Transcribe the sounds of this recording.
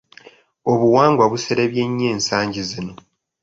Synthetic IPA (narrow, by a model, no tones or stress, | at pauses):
oβuwaːŋɡwaβuseɾeβje̞ɲːe̞ːnsaːɲɟizino̞